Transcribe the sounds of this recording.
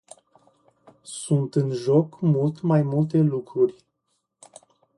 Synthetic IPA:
sunt̪ɨnʒo̞kmult̪majmult̪e̞lukɾurʲ

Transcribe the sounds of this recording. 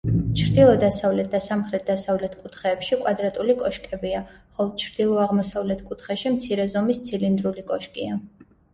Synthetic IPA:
t͡ʃʰɾd̪ilˠɔd̪asavlɛt̪̚ʰd̪̥asamχɾɛt̪̚ʰd̪̥asavlɛt̪ʰkʼut̪ʰχɛːpʃikʼwad̪ɾat̪ʼulikʼɔʃkʼɛbiaχɔlˠɔt͡ʃʰɾd̪̥ilˠɔaʁmɔsavlɛt̪ʰkʼut̪ʰχɛʃimt̪sʰiɾɛzɔmist̪sʰilind̪ɾulikʼɔʃkʼia

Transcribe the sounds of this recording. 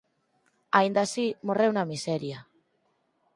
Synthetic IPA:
aind̪asimorewnamisɛɾja

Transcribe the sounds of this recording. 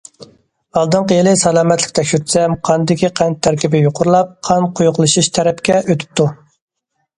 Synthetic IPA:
ɑlˠd̪ɨɴqəjelɪsɛlˠɑːmɛt̪lɪ̥kʲt̪ʰɛkʲʃyɾt̪sɛmqʰɑnd̪ɪkʲiqʰænt̪ʰːæɾkʲibɪjoqʰʊɾlˠɑp̚qʰɑnqʰojʊqlˠɨʃuʃt̪ʰɛɾɛpkʲɛʔøt̪ʰy̥p̚t̪ʰu

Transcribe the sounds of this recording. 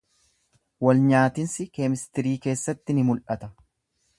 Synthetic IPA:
wɐlɲaːt̪ɪnsɪkeːmɪst̪ɪɾiːke̞ːsːɐt̪ːɪnɪmʊlʔɐt̪ɐ

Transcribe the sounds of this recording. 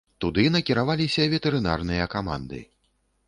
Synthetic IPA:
t̪ud̪ɨnɐkʲiɾavalʲisʲɐvʲɛt̪ɛɾɨna̰rnɨjɐkama̰nd̪ɨ̰

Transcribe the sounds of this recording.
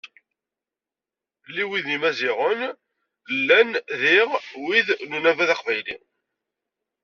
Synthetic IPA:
lːiwiðimæziʁən | lːænðiʁwiðnunævæðɑqvæjlḭ

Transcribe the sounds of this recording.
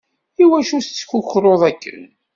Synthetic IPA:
iwæʃust͡sːçʊçɾˤoðˤækːə̰n

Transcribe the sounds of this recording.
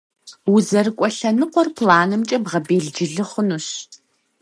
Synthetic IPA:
wʊzɐrɨkʷʼɔɬɐnɨqʷɔrpʰlaːnɨmt͡ʃʼɐbʁɐbeːɮd͡ʒɪɮɨχənuːɕ

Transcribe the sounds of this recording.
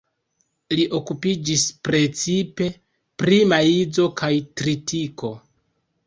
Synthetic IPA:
liʔo̞kupid͡ʒispɾe̞t͡sipe̞ | pɾimaid͡zo̞kʰajtɾitiko̞

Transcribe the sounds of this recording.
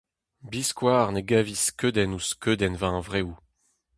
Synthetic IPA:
biskwaːʁneɡaviskød̪ɛnuskʰød̪ɛnvãvʁew

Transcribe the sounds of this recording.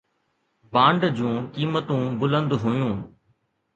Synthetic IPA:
bãːɳɖd͡ʑũːkiːmət̪ũbʊlə̃nd̪ɦʊjũː

